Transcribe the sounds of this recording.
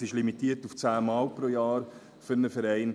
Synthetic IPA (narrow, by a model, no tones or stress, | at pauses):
sɪʃlimitiːəɾtuft͡sæːmaːlpɾoːjɑːɾ | fʏɾnəfɛɾɛɪn